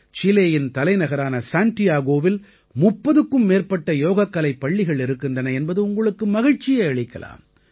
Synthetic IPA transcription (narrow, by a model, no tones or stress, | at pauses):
t͡ʃɪleːjɪnt̪ɐlɐɪnɐɣɐɾaːnɐsaːnʈɪjaːɣoːʋɪl | mʊpːɐðɯkːɯmːeːrpɐʈːɐjoːɣɐkːɐlɐɪpːɐɭːɪɣɐɭɪɾɯkːɪndrɐnɐɛnbɐðɯʊŋɡɐɭɯkːɯmɐɣɪɻt͡ʃːɪjɐɐɭɪkːɐ̰la̰ːm